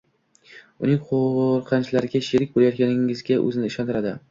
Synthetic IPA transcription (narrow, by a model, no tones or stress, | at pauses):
ʊnɪŋqʰoʁɾqʰɑnt͡ʃlaɾɪɡʲaʃeɾɪk̚ʲbolajɒt̪̚kʲanɪŋɪzɡʲaʔɵ̰zɪnɪɪʃɒnt̪ɪɾad̪ɪ